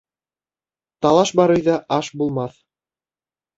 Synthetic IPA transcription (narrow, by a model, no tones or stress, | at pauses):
t̪ɑlˠɑʃbɑɾɤjðɑʔɑʃbulˠmɑθ